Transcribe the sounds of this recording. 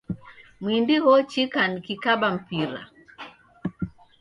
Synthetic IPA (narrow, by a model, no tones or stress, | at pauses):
mwindihɔt͡ʃikanikikaɓam̩piɾa̰